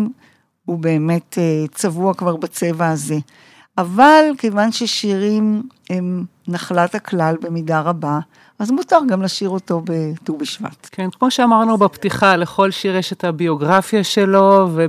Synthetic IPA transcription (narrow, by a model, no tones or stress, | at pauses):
m | ube̞ːme̞tʰet͡savuakvaʁbat͡se̞vaːze̞ | ʔavalkejvanʃeʃiʁimhem | naχlataklalbe̞midaʁaba | azmutaʁɡamlaʃiʁo̞to̞betubiʃva̰tkʰenkmo̞ʃeamaʁnubaptiχaleχo̞lʃiʁjeʃethabioɡʁafjaʃelo̞ve